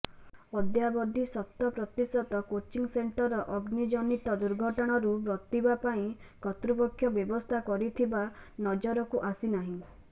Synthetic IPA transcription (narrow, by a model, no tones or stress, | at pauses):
ɔd̪jabɔd̪ʱisɔt̪ːɔpɾɔt̪isɔt̪ɔkot͡ʃiŋseɳʈɔɾɔʔɔɡnid͡ʒɔnit̪ɔd̪uɾɡʱɔʈɔɽ̃ɔɾubɾɔt̪ibapaĩkɔt̪ɾupɔkʰːjɔbjɔbɔst̪ʰakɔɾit̪ʰibanɔd͡ʒɔɾɔkuʔasinaɦĩ